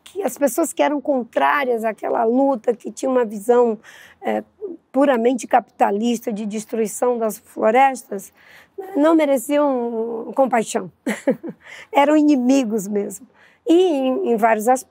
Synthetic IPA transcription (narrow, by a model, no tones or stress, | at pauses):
kʰɪɐspesoɐskɪɛɾɐ̃w̃kõnt̪ɾaɾiɐzaːkɛ̰lɐ̰lut̪ɐkɪt͡ʃĩɲɐũmɐvizɐ̃w̃ɛpuɾɐmẽnt͡ʃɪ̥kapi̥t̪alist̪ɐd͡ʒɪd͡ʒist̪ɾuisɐ̃w̃d̪ɐsfloɾɛst̪ɐs | ɛnɐ̃w̃meɾesiɐ̃w̃kõmpajʃɐ̃w̃ | ɛɾɐ̃w̃inĩmiɡʊzmezmʊ | ɪẽẽj̃vaɾjʊzasp